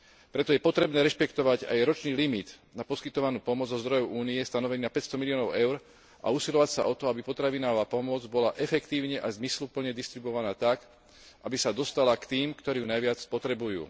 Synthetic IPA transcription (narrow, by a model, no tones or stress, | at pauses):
pɾɛt̪ɔjɛpɔt̪ɾɛbnɛːɾɛʃpɛkt̪ɔʋaɟa̰jɾɔt͡ʃniːlimid̪ | napɔskit̪ɔʋanuːpɔmʊɔd͡zzɔzd̪ɾɔjɔʊʔuːniɛst̪anɔʋɛniːapɛcst̪ɔmiliɔːnɔʊʔɛʊɾ | ʔa̰uːsilɔʋacsaʔɔt̪ɔabipɔt̪ɾaʋinaɦɔʋaːpɔmʊɔd͡zbɔlaʔɛfɛkt̪iːʊɲɛʔazmislupl̩ɲɛd̪ist̪ɾibɔʋanaːt̪ak | ʔabisad̪ɔst̪alakt̪iːmkt̪ɔɾiːunajʋɪat͡spɔt̪ɾɛbujṵː